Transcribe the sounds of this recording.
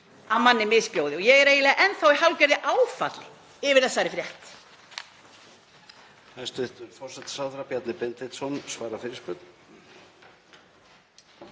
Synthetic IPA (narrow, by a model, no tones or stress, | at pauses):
aðmanːɪmɪðspjoːwðɪɔjɛɣɛɾeːjɪlɛːɣaʔɛnθawihawlcɛɾðɪʔaːwfat̪lɪ | ɪvɪɾ̥θɛsːaɛɾɪfɾjɛht̪ | ast̪ʏht̪ʏɾfɔr̥sɛt̪saðɾapjat̪nɪpɪnt̪ɪt̪sɔnsvaːɾafɪɾɪspʏːt̪n